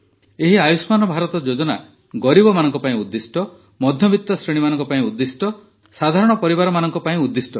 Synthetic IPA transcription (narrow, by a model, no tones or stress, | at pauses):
eɦiajusmanɔbʱaɾɔt̪ɔd͡ʒod͡ʒɔna̰ | ɡɔɾibɔmanɔŋkɔpaĩud̪ːisʈɔ | mɔd̪ʱjɔbʱit̪ːɔsɾeɽ̃imanɔ̃ŋkɔpaĩud̪ːisʈɔ | sad̪ʱaɾɔɽ̃ɔpɔɾibaɾɔmanɔŋkɔpaĩud̪ːisʈɔ